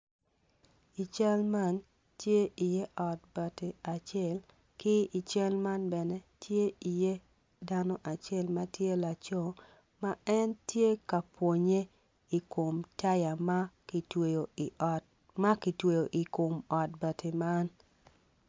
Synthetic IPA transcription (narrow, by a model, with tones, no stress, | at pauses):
i˨t͡ʃa˦lma˦n | tje˦ʔi˨je˦ʔɔ˨t̚bɐ˨te˨a˨t͡ʃɛ˦˨l | kɪ˦i˨t͡ʃa˦lma˦nbɛ˨ne˦tʰje˦i˨je˦ | da˦no˦ʔa˨t͡ʃe˦lmɐ˦tje˦la˨t͡ʃo˦˨ | ma˦ɛ˦ntje˦ka˨pwo˨ɲe˦ | i˨ko˨mta˦ja˨ma˦ktwe˨jo˨i˨ | ma˦ki˨twe˨jo˨ʔi˨ko˨mɔ˨t̚bɐ˨tʰe˨ma˦n